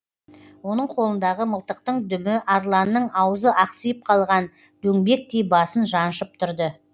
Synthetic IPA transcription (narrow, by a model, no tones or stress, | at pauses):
wo̞nəɴqʰo̞lˠənd̪ɑʁəməlˠt̪əqt̪əɴd̪ʏmɪʔɑɾlˠɑnːəɴɑwəzəʔɑqsəjəp̚qʰɑlˠʁɑn | d̪̥ɵŋbe̞k̚d̪e̞jbɑsənʒɑnʃəp̚t̪ʰʊɾd̪ə